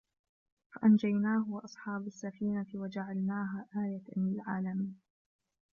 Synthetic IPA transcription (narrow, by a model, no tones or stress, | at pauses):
faʔand͡ʒajnaːɦʊwʔɑsˤħɑːbasːafiːnat̪ɪwad͡ʒaʕalnaːɦaːʔaːjat̪alɪlʕaːlamiːn